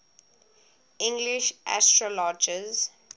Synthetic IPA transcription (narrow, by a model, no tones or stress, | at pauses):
ĩŋɡliʃʔa̰stɹɔlɔd͡ʒəz